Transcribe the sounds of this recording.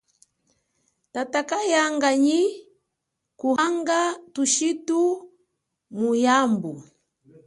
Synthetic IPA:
tatakajaŋɡaɲi | kuɦaŋɡatuʃitu | mujambu

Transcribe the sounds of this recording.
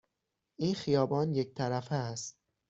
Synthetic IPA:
ʔiːnxijɒːbɒːnjec̚t̪ʰæɾæfeæst̪̚

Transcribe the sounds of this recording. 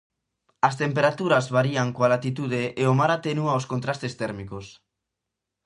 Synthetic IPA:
ast̪empeɾat̪uɾazβaɾiaŋkoalat̪it̪uð̞eʔeomaɾat̪enuaoskont̪ɾast̪est̪ɛɾmikos

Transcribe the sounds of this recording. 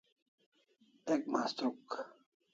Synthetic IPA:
ek̚maːst̪ɾuk

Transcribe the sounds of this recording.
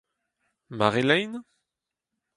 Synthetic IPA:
maʁelɛjn

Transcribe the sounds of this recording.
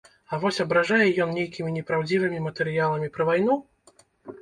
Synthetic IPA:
ɐvɔsʲɐbɾaʐajɛjɔnnʲejkʲimʲinʲɛpɾawd͡zʲivɨmʲimɐt̪ɛɾɨjalˠɐmʲipɾɐvajn̪u

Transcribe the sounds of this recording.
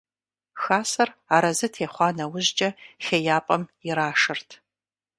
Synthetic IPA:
xaːsɐraːɾɐzɨtʰeːχʷɑːnɐwʊʑd͡ʒʼɐxejaːpʼɐmɪɾaːʂɨrtʰ

